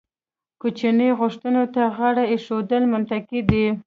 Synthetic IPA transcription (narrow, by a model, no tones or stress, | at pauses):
kot͡ʃinəjɣʊʂt̪ənot̪aɣaɽaeʃod̪əlmʊnt̪akid̪i